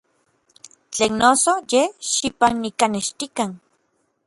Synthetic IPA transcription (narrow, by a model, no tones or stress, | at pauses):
t͡ɬeːnnːosojehʃipanːikaneʃt̪ikan